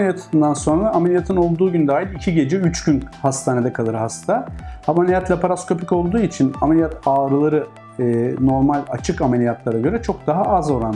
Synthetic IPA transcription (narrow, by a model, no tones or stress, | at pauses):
lʲijat̪ʰɯɯnd̪anso̞nɾaɾaːmelʲijat̪ʰɯno̞lˠd̪uːɟynd̪aːjilʲicʰiɟe̞d͡ʒɛyt͡ʃɟynhast̪ʰaːne̞d̪ɛkʰalˠɯɾɦast̪ʰahamalʲijat̪lʲapʰaɾasko̞pʰico̞lˠd̪uːit͡ʃʰina̰melʲijat̪ʰaːɾɯlˠaɾɯː | no̞ɾmalʲat͡ʃʰɯkamelʲijat̪lˠaɾaɟø̞ɾɛt͡ʃʰo̞k̚d̪aɦaʔazoɾan